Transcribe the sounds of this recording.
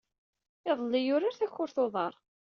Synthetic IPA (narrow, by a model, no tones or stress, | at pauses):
ɪðˤəlːɪjʊɾaɾθæçːʊɾθoðˤɑɾˤ